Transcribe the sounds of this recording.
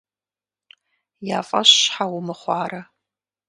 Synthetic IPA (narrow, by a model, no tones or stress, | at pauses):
jaːfʼɐɕħawʊmɨχʷɑːrɐ